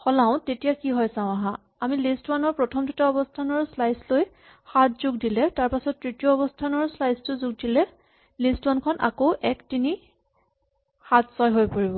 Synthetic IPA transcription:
xɔlaʊ̃tetijakiɦɔjsãwʊ̃aɦã | amilistwanɔɹpɹɔtʰɔmdutaɔbɔstʰanɔɹslajsloj | xatʰz̥ʊɡ̚dilɛtaɹpasɔtːɹitijɔːbɔstʰanɔɹslajstʊzʊɡ̚dilɛ | listwankʰɔnʔa̰koʔɛktini | xatʰsɔjɦojpoɹibɔ

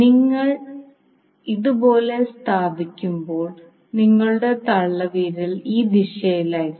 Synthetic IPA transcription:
niŋːɐɭ | iðubo̞ːle̞st̪ʰaːbʱikʲːumbo̞ːɭ | niŋːɐɭuɽe̞t̪ɐɭːɐʋiːɾiliːd̪iʂjɐjilaːj

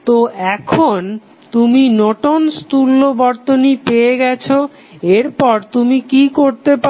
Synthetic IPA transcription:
t̪oɛkʰon | t̪uminoʈonst̪ulːobɔɾt̪onipeeɡɛt͡ɕʰo | eɾpɔɾt̪umikikoɾt̪epa

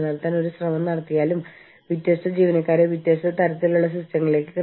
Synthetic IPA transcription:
nɐlt̪ːaːno̞ɾuɕrɐmɐmnɐɽɐt̪ːijaːlum | ʋit̪jeːʂtɐd͡ʑiːʋɐnɐkːaːɾeʋit̪jeʂɐt̪ɐɾɐt̪ːilːuɭːɐɕrustɐŋːɐɭile̞ːkːɨk

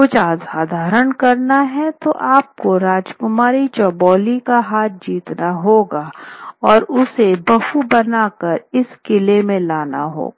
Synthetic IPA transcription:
kʊt͡ʃaːzaːd̪ʱaːɾəɳkɐɾnaɦɛt̪oʔaːp̚koɾaːd͡ʒkʊmaːɾit͡ʃɔːbɔːlikaɦaːt̪̚d͡ʒiːt̪naɦoːɡaɔːɾʊsebɐfubɐnaːkəɾɪskɪlemẽlaːna̰ɦo̰ːɡaː

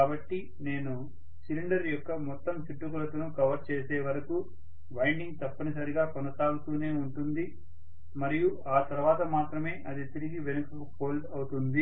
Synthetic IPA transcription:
kaːbɐʈːi | ne̞ːnu | siliɳɖɐɾjɔkːɐmɔt̪ːɐmt͡ʃiʈːukulɐt̪ɐnukɐʋɐɾt͡ʃeːseːʋɐɾɐku | ʋɐjɳɖiŋɡt̪ɐpːɐnisɐɾiɡaːkɔnɐsaːɡut̪uːne̞ːuɳʈund̪i | mɐɾiju | aːt̪ɐɾuʋaːt̪ɐmaːt̪ɾɐme̞ːʔɐd̪it̪iɾiɡiʋenukɐko̞ːlɖɐwut̪und̪i

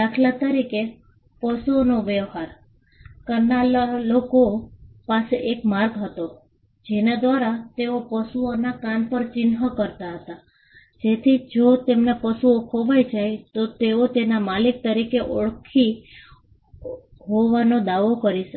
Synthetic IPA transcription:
d̪akʰlat̪əɾike | pəsuonoʋəʋɦaɾ | kənalalokopaseʔekmaɾɡɦət̪o | d͡ʒenad̪ʋaɾat̪eopəsuonakanpəɾt͡ʃɪnɦəkəɾt̪aɦət̪a | d͡ʒet̪ʰid͡ʒot̪emnapəsuokʰoʋajd͡ʒajt̪ot̪eot̪enamalik̚t̪əɾikeʔɔɭkʰi | ɦoʋanod̪aʋokəɾiʃ

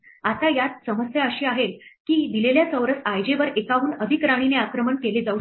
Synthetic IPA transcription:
at̪ajat̪səməsjaəɕiːaɦelkiːd̪ileljat͡səʋɾəsajd͡ʑeʋəɾekaʋuːnəd̪ʱikɾaɽ̃ineakɾəməɳkeled͡zau

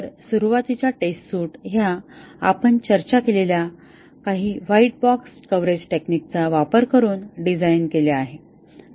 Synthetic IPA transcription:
əɾsuɾuʋat̪it͡ɕjaʈestsuːʈɦjaapəɳt͡ɕəɾt͡ɕakelelja | kaɦiːʋaiʈ̚bɔkskəʋɾed͡ʑʈeknik̚t͡saʋapəɾkəɾuːnɖid͡zajnkeljaaɦe

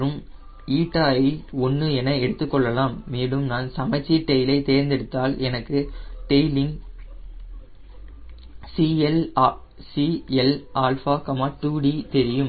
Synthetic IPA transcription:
ɾɯm | iːʈːaːjɐɪɔnːɯɛnɐɛɽɯt̪ːɯkːɔɭːɐlaːmːeːɽɯmnaːnsɐmɐɪt͡ʃːiʈːɛjlɐɪt̪eːɾnd̪ɛɽɯt̪ːaːlɛnɐkːɯʈɛjlɪŋ | siɛl | siɛlʔaːlfaːkɐmaːʈuːɽit̪ɛɾɪjɯm

